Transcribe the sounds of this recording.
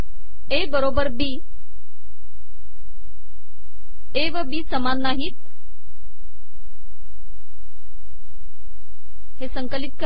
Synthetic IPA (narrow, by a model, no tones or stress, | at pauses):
ebəɾoːbəɾbi | eʋəbiːsəmanːaːɦit̪ | hesə̃ŋkəlit̪̚kə